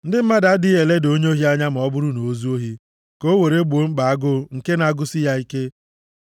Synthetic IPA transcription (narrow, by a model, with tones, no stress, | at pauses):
n̩˦dɪ˦m̩˦ma˦da˨˦dɪ˦e˨le˦do˦ɲ˦o˦ɦi˦a˦ɲa˦m̩˨ɔ˦bʊ˦ɾʊ˦no˨˦zu˦o˦ɦi˦ | ko˦we˨ɾe˦ɡ͡bo˨˦ŋ͡m̩˦ɡ͡ba˨a˦ɡʊ˦ŋ̩˨ke˦na˦ɡʊ˦sɪ˦ja˦i˦ke˦